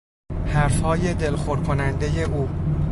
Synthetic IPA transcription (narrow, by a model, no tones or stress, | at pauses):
hæɾfhɒːje̞d̪e̞lxoɾkʰonænd̪e̞je̞ʔuː